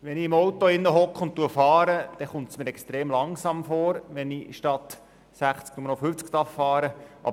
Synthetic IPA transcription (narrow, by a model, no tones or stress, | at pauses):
ʋɛniɪmɔwt̪oɪnːəɦɔkχʊnt̚tuəfɑːɾəd̪̥ɛχʊntsmiːɾɛkst̪ɾeːmlɑŋsɑmfoːɾʋɛniʃtɑt̪ | sæχt͡sk̚numənofyft͡skt̪ɑffɑːɾəʔɑ̰